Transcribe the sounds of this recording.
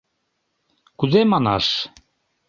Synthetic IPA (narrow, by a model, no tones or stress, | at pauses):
kuðemɑnɑ̰ʃ